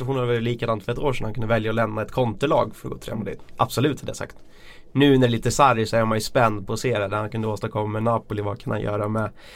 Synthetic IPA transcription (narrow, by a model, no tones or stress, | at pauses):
huːnvaɾvɛlliːkad̪ant̪fœɾɛt̪oːʂɛnhankɵnd̪əvɛljaɔlɛmnaɛt̪kʰɔnt̪ʊɭɑ̰ːɡfœɾɔɡo̰ːt̪ʰɾɛ̰ːmd̪ɪ̰t̪ʔa̰bsɔlʉ̟ːt̪had̪əjasa̰kt̪ | nʉ̟ːnæɾɛliːt̪əsaɾjsɔɛmajspɛnd̪̚pʰɔːseːɾɛd̪æɾhankʰɵnd̪əoːst̪aɾkʰɔmːamɛnɑːpʊlɪvakʰanha̰njœ̰ːɾamɛ